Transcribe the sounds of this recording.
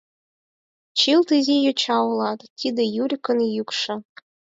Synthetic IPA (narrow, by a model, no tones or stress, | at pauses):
t͡ɕilˠt̪ɨzʲijot͡ɕɑulˠɑt̪t̪ʲid̪ʲɘ̆juɾʲkɤ̆njykʂɤ̆